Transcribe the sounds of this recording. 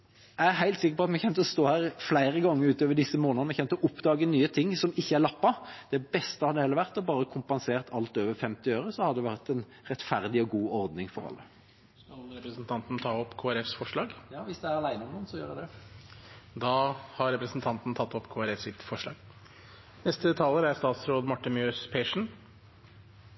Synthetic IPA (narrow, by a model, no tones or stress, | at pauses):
ææɦæɪlt̪sɪkːəɾpɔɑt̪mɛçɛmt̪əɔst̪oːhæːʁflæɪɾəɡɑŋːəɾʉːt̪øːʋəɖɪsːəmoːnənəmɛçɛmt̪ɔʔʊpd̪ɑːɡənyːət̪ʰɪŋːsɔmɪçːəæɾlɑpːɑd̪̥ɛbɛst̪əhɑɾd̪ɛhɛlːəʋæʁt̪ɔbɑːɾəkʰʊmpɑnseːʁt̪ʰɑlt̪øːʋəɾfɛmt̪ɪøːʁəsɔhɑd̪ɛʋæʁt̪ɛn | ɾɛt̪fæʁd̪ɪɔɡuːɔɾd̪nɪŋfɔɾɑ̰lːə | skɑlɾɛpɾəsnt̪ʰɑnt̪nt̪ʰɑːɔpːkʰoːæɾɛfsfɔʂɭɑːɡjɑːʋɪsd̪ɛæɾɑlæɪnəɔmnɔnsɔjø̰ːɾd̪ɛd̪ɛ | d̪ɑːhɑɾɛpɾəsn̩t̪ʰɑnt̪n̩t̪ʰɑt̪ːɔpkʰoːæɾɛfsɪt̪fɔʂɭɑ̰ːɡ | nɛst̪ət̪ʰɑːləɾæɾst̪ɑːt̪sɾoːd̪mɑʈːɪnmjøːspʰeːʂɳ̩